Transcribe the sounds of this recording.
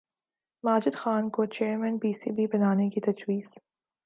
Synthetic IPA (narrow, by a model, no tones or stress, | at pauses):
maːd͡ʒɪd̪xaːnkot͡ʃeːɾmɛ̃npiːsḭbʱibɐnaːnekit̪ɐd͡ʒwiːz̥